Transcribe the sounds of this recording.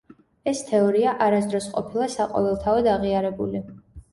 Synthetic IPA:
ɛst̪ʰɛɔɾiaʔaɾasd̪ɾɔsqʼɔ̰pʰilˠasaqʼɔ̰vɛlˠt̪ʰaɔd̪aʁiaɾɛbuli

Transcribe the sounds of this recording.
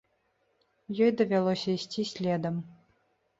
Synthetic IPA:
jɔjd̪ɐvʲalˠɔsʲɐisʲtʲisʲlʲɛd̪əm

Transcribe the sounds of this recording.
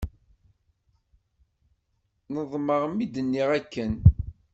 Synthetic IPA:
nəðˤməʁəmid̪ənːiʁækːən

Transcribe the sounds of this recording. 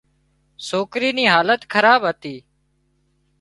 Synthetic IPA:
soːkɾiːniːɦaːlət̪kʰəɾaːbɦət̪iː

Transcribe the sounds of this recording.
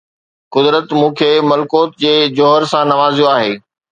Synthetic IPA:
kʊd̪ɾət̪mũːkʰeːmɐlkoːt̪̚d͡ʑeːd͡ʑoːɦəɾsãnɐʋaːzijoaːɦeː

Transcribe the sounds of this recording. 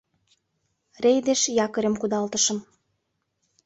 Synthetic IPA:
rejd̪eʃjɑkɤ̆ɾə̆mkud̪ɑlt̪ə̆ʃə̆m

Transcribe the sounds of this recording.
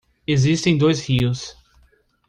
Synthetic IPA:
ezist̪ẽj̃d̪ojshiʊs

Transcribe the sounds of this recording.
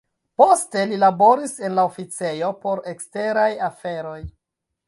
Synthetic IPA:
po̞ste̞lilabo̞ɾise̞nlaofit͡se̞jo̞po̞ɾe̞kste̞ɾajafe̞ɾo̞j

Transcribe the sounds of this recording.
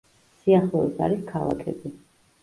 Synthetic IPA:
siaχlˠɔɛsa̰ɾiskʰalˠa̰kʰɛ̰bi

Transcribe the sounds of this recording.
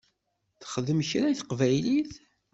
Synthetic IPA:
θəχəðəməçɾajθəqvæjliθ

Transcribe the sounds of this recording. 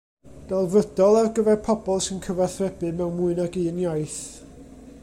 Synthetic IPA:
d̥alˠvədɔlˠarɡəvɛrpʰɔbɔlˠsɪnkʰəvaθrɛbɨmɛwnmʊɨnaɡiənjajθ

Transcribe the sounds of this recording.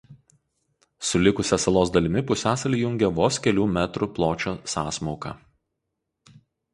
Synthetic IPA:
sʊlʲɪkʊsʲɛsɐlˠoːs̬d̪ɐlʲɪmʲɪpʊsʲæːsɐlʲiːjʊŋʲɡʲɛʋoːskʲɛlʲuːmʲæt̪ɾʊplˠoːt͡ʃʲoːsɑːsmoːkɐ̰

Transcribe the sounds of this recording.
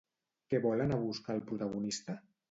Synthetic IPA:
kɛβɔlənaβuskaːlˠpɾut̪aɣunist̪a

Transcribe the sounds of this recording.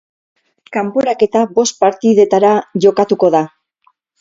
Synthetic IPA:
kampo̞ɾake̞t̪aβo̞st̪̚paɾt̪iðe̞t̪aɾaʝo̞kat̪uko̞ða

